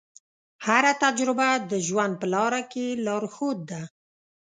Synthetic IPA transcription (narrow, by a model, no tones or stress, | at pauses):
haɾat̪ad͡ʒɾɪbad̪əʒwand̪̚pəlɑɾakelɑɾhot̪̚d̪a